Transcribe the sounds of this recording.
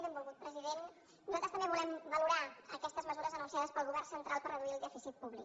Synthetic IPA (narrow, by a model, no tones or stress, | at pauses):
ɛmbulˠɣut̪̚pɾəziðen | nuzalt̪əst̪əmbeβulɛmbəluɾaəkɛst̪əzməzuɾəzənusiaðəspəlˠɣuβɛrsənt̪ɾalˠpərəðuiəlˠd̪ɛfisit̪̚puβlik